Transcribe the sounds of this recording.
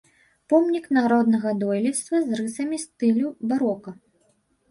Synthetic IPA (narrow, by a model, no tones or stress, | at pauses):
pɔmnʲiknaɾɔd̪nɐɣɐd̪ɔjlʲist̪vɐzrɨsɐmʲist̪ɨlʲubaɾɔkɐ